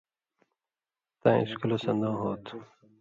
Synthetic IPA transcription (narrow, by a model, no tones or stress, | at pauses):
t̪ãḭskulɐsɐnd̪ãːɦoːt̪